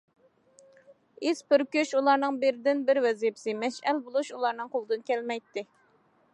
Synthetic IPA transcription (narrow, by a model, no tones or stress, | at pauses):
ispɪɾkʲøʃulˠɑɾnɨŋbɪɾɪd̪ɪnbɪɾwɛzijipɪ̥sɪmɛʃælbolˠuʃulˠɑɾnɨŋqʰolˠɨd̪ɨnkʲɛlmɛjt̪ːɪ